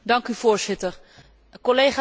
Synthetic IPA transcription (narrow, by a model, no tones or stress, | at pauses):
dɑŋkyv̥oːɹzɪtər | kolejχaː